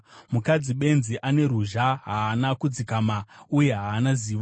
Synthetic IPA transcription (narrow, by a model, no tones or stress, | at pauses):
mukad͡ziɓe̞nziʔane̞ɾuʒaɦaːnakud͡zikamauje̞ɦaːnaziːʋo